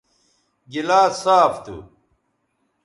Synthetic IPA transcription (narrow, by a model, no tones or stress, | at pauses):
ɡilaːsaːft̪ṵ